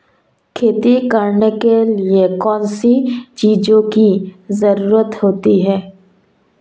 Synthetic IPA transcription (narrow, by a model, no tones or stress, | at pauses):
kʰeːt̪ikəɾnekeliekɔːnsit͡ʃiːd͡ʒõkizəɾuːɾət̪ɦoːt̪iɦɛː